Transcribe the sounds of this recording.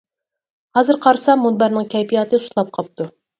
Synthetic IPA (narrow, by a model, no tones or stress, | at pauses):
hɑzɨɾqʰɑɾsɑmːunbæɾnɨŋkʲʰɛjpʰijɑt̪ɨu̥slˠɑp̚qʰɑp̚t̪ʰu